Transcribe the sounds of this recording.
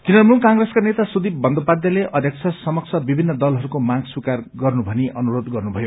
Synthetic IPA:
kinʌmulkãŋɡreskanet̪asud̪ib̚bʌnd̪opad̪jʌleʔʌd̪ʱjʌk̚t͡sʰʌsʌmʌk̚t͡sʰʌbibʱinːʌd̪ʌlɦʌɾukomãɡswikarɡʌrnubʱʌniʔʌnuɾod̪ɡʌrnubʱʌjo

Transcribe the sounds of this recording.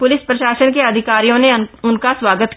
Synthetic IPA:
pʊlɪspɾɐʃaːsənkeɐd̪ʱɪkaːɾijõneʊnkaswaːɡət̪

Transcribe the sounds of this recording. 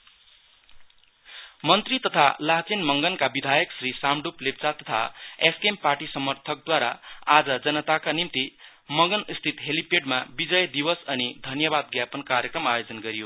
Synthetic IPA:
mʌnt̪rit̪ʌt̪ʰalaɦt͡senmʌŋɡʌnkabid̪ʱajʌksrisamɖuplep̚t͡sat̪ʌt̪ʰa̰eskemparʈisʌmʌrt̪ʰʌk̚d̪waɾaad͡zʌd͡zʌnʌt̪akanimt̪i | mʌŋɡʌnist̪ʰit̪ɦelipeɖmabid͡zʌjd̪ibʌsʌnid̪ʱʌnjʌbad̪̚ɡjapʌnkaɾjʌkrʌmajod͡zʌnɡʌɾijo

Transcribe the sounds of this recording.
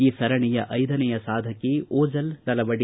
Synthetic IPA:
iːsɐɾɐɳijɐʔɐjd̪ɐnɛjɐsaːd̪ʱɐkːeoːd͡ʒɐlnɐlɐʋɐɽi

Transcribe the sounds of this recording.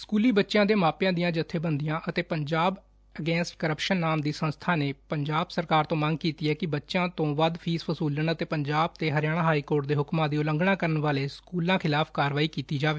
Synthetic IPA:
skuːliːbətːʃjãːd̪eːmaːpjãːd̪ijãːd͡ʒət̪ʰːeːbənd̪ijãːʔət̪eːpəɲd͡ʒaːb | əɡɛːnsʈkəɾəpʃənːaːmd̪iːsə̃nst̪ʰaːneːpəɲd͡ʒaːbsəɾkaːɾt̪õːmə̃ŋɡ̚kiːt̪iːɛːkɪbətːʃãːt̪õːʋəd̪pʰiːspʰəsuːlənət̪eːpəɲd͡ʒaːb̚t̪eːɦəɾɪjaːɽ̃ãːɦaːiːkoːɾʈd̪eːɦʊkmãːd̪iːʊləŋɡɳãːkəɾənʋaːleːskuːlãːkʰɪlaːpʰkaːɾʋaːiːkiːt̪iːd͡ʒaːʋeː

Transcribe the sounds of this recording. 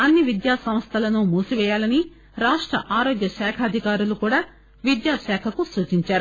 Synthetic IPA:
ɐnːiʋid̪jaːsɐmst̪ʰɐlɐnumuːsuʋɛːjaːlɐni | ɾaːʂʈɾɐ̰ʔaːɾoːɡjɐʃɛːkʰɐɐd̪ʱikaːɾulukuːɽaː | ʋid̪jaːʃɛːkʰɐkusuːt͡ʃiɲt͡ʃaːɾu

